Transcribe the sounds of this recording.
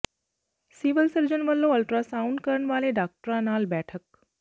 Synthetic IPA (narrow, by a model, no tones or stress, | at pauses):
siːʋəlsəɾd͡ʑənʋəlːoɐlʈɾasaːʊɳɖkəɾəɳ̃ʋaːleɖaːk̚ʈɾãnaːlbɛːʈʰək̚